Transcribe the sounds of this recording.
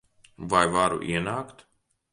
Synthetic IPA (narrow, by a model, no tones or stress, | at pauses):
vajvaɾṵʔḭɛnaːkt̪